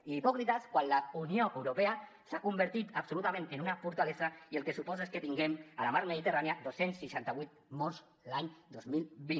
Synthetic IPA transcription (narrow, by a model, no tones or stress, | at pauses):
ipɔkɾit̪askwanlaunioʔewɾopea | sakumbəɾt̪it̪apsulut̪amẽnenunafuɾt̪alesaielˠkesupɔzaesket̪iŋɡemalamaɾmeðit̪əraniad̪osensːiʃant̪aβit̪̚mɔɾz | laɲd̪ozmilbi